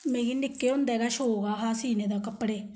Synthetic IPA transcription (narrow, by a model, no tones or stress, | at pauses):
meːɡinɪkːeːʊnd̪ɛːɡaːʃoːɡaːɦaːsiːneːd̪aːkəpːɽeː